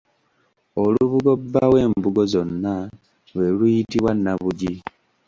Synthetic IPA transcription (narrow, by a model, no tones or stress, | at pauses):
oluβuɡo̞bːawe̞ːmbuɡo̞zo̞nːa | lwe̞lujitiβwanːaβuɟi